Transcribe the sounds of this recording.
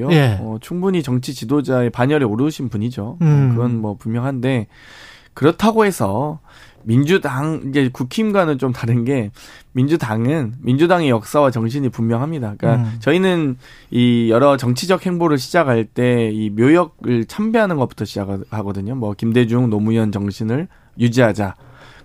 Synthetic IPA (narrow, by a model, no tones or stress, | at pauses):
ojʌt͡ɕʰuŋbuɲit͡ɕʌŋt͡ɕʰit͡ɕidod͡ʑae̞paɲʌɾioɾɯːɕʰinpuɲid͡ʑokɯɾʌnmwʌpummjʌŋɦande̞ | kɯɾʌtʰaɡoɦe̞sʰʌ | mind͡ʑudaŋid͡ʑe̞kukʰimɡwanɯnt͡ɕomtaɾɯnɡe̞mind͡ʑudaŋɯnmind͡ʑudaŋe̞jʌk̚s͈awat͡ɕʌŋɕ̬ʰiɲipummjʌŋɦamɲidak͈at͡ɕʌinɯn | ijʌɾʌt͡ɕʌŋt͡ɕʰid͡ʑʌk̚he̞ŋboɾɯɭɕʰid͡ʑaɡɦaɭt͈e̞imjojʌɡ̚ɯɭt͡ɕʰambiɦanɯnɡʌp͈u̥tʰʌɕʰid͡ʑakhaɡʌdɯɲomwʌkimde̞d͡ʑuŋnʌmuiʌnt͡ɕʌŋɕʰinɯɭ | jud͡ʑiɦad͡ʑa